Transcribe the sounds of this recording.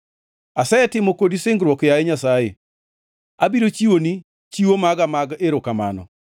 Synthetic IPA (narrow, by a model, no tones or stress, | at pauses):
asɛɛtɪmokodisɪŋɡɾwɔkjajeɲasaje | abiɾot͡ʃiwoni | t͡ʃiwomaɡamaɡeɾokama̰nɔ̰